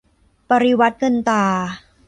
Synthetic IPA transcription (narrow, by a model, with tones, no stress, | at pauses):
pa˧ɾi˧wa˦˥t̪̚kɤ˧nt̪aː˧˩